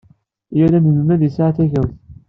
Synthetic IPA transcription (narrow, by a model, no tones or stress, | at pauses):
jælænəməmæðisaʕaθæʝæwθ